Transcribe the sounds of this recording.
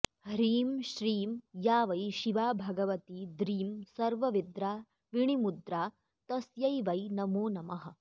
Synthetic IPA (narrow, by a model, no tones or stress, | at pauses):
hɾiːmʃɾiːmjaːʋɐjʃiʋaːbʱɐɡɐʋɐt̪id̪ɾiːmsɐɾʋɐʋid̪ɾaː | ʋiɳimud̪ɾaː | t̪ɐsjɐjʋɐjnɐmoːnɐmɐɦɐ̆